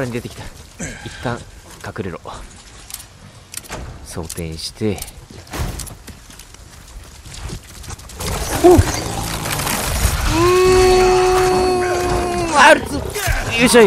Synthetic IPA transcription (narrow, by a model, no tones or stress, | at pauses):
ɾaɲ̟id̪e̞t̪ekʲi̥t̪ait̪ːãŋ | kakɯ̟ɾeɾo̰ | so̞̰ːt̪ẽ̞ɰ̃ɕi̥t̪e̞ | o | ɯ | aɾɯt͡sɨjɯɕa